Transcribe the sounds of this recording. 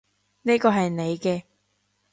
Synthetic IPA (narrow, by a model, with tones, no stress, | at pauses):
neː˥kɔː˧ɦɐ˨jne˨˧jkɛː˧